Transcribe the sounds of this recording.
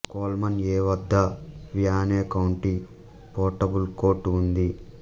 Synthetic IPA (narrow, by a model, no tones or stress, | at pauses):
koːlmɐneːʋɐd̪ːɐʋijaːneːkɐwɳʈi | poːʈɐbulkoːʈund̪i